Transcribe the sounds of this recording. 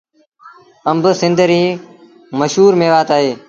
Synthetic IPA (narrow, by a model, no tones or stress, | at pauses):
əmbsɪ̃nd̪ʱɾiː | məʃɦuːɾmeːʋaːt̪aːɦeː